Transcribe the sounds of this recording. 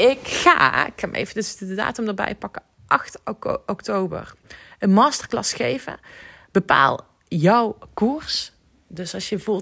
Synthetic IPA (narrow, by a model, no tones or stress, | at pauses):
ɪkχa̰ːɪkxaːmḛjvədəsdədəda̰ːtəmdəːbɛ̰jpɑkə | ʔɑxtɔktowbə̰rənmaːstərklɑ̰sχejvə̰ | b̥əpa̰ːlˠ | jɔwkuɹs | dɵsɑʃjəvulˠ